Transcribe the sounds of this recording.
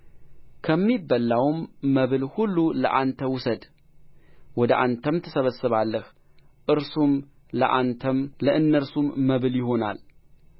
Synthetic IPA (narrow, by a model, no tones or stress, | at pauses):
kʰəmːibːəlːawmːəβɨlhulːulə̰ʔant̪ʰəwʊsəd̪ | wɔd̪əʔant̪ʰəmt̪ʰəsəβəsːɨβalːəh | ʔɨɾsum | ləʔant̪ʰəmləʔɨnːəɾsumːəβɨljɪho̞na̰l